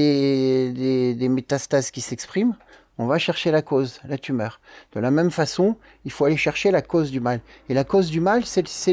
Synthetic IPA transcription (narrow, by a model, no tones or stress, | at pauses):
ed̪ed̪emet̪ast̪azkʲisɛkspχim | ɔ̃vaʃɛʁʃelakozlat̪ymœːʁd̪̥əlamɛmfasɔ̃ | ilfoaleʃɛʁʃelakozd̪ymalelakozd̪ymalsɛsɛ